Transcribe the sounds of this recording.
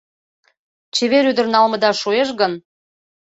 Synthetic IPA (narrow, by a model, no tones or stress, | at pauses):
t͡ɕeβeɾyd̪ərnɑlmə̆d̪ɑʃueʃɣən